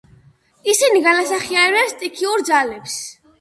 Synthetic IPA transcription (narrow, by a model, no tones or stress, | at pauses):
isiniɡanasaχiaɾɾɛpst̪ʼikʰiuɾd̪zalɛps